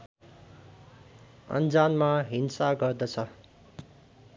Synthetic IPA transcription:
ʌ̰nd͡zanmaɦinsaɡʌrd̪ʌt͡sʰʌ

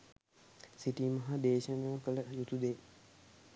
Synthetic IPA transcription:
siʈiːmɐɦad̪eːʃənaːkələjut̪ud̪eː

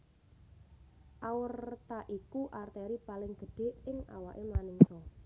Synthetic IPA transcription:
ʔawərt̪aʔikuʔart̪ɛɾipalɪŋɡ̥ə̤ɖ̥e̤ɪŋa̰waʔemanɪŋsɔ

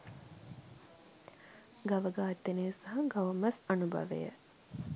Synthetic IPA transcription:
ɡaʋəɡaːt̪ːenesaɦaɡaʋəmɐsanubʱɐ̰ʋḛjə̰

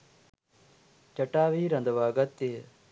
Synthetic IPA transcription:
t͡ʃɐʈaːʋiːɾɐnd̪ʋaːɡɐt̪ːe

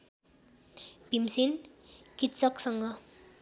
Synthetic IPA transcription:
pimsin | kit̪sʌksʌŋɡʌ

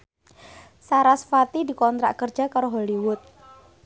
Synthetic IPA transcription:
saɾasfat̪idi̤kɔnt̪ɾa̰ʔkərd͡ʒakaɾoɦoliwʊt̪̚

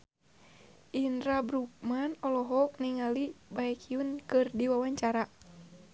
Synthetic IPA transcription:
ʔindɾabɾuk̚manɔlɔɦɔk̚niŋalibaɛkʰiunkɨrdiwawaɲt͡ʃaɾa

